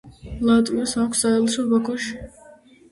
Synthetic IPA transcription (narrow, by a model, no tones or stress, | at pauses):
lˠat̪ʼviɔsakʷʰsaɛlˠʃɔbakʰɔʃi̥